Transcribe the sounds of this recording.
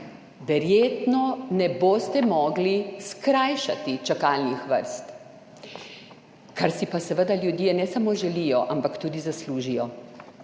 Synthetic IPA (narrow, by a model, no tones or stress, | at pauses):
ʋɛɾjeːt̪nɔnɛboːst̪ɛmɔːɡliskɾajʃa̰t̪it͡ʃakaːlnixʋə̰ɾst̪ | kaɾsipasɛʋəd̪aljud̪iɛnɛsamoʒɛlijɔʔampakt̪uːd̪izasluːʒijɔ